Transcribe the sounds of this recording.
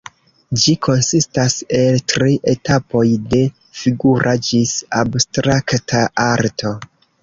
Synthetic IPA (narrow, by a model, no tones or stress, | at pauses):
d͡ʒikʰo̞nsistase̞ltɾiʔe̞tapo̞jde̞ | fiɡuɾʔad͡ʒisabstɾaktʰaʔaɾtʰo̞